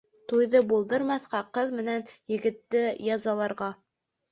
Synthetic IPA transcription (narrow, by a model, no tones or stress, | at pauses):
t̪ujðɤbulˠd̪ɤɾmɑθqɑqɤðmɘ̆nænjɘ̆ɡɘ̆t̪ːɘjɑzɑlˠɑɾʁɑ